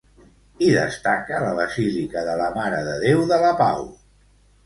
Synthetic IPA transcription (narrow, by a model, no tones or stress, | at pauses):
iðə̰st̪akələβ̞əzilikəðələmaɾəðəðewðələpa̰w